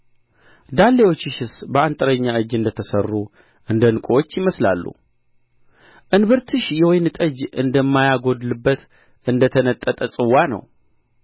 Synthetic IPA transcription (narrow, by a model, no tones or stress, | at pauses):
d̪alːewo̞t͡ʃːɪʃɨsbəant̪ʼəɾəɲːaɨd͡ʒːɨnd̪ət̪ʰəsərːu | ʔɨnd̪ənɨkʼot͡ʃːjɪməsla̰lːṵ | ʔɨnβɨɾt̪ʰɨʃjɛwojnɨt̪ʼəd͡ʒɨnd̪əmːajaɡo̞d̪lɨbːət̪ | ʔɨnd̪ət̪ʰənət̪ʼːət̪ʼəsʼɨwːanə̰w